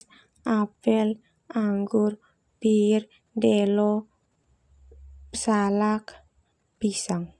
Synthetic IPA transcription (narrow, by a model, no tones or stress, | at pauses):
ʔapɛl | ʔaŋɡʊr | pir | ndɛlɔ | salak | b̥isaŋ